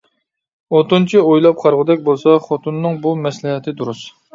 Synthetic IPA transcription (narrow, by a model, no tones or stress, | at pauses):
ot̪unt͡ʃʰiojlˠɑp̚qʰɑɾʁəd̪ɛkʲbolˠsɑχot̪ʰunːɨŋbumɛslɪɦɛt̪ʰɪd̪uɾus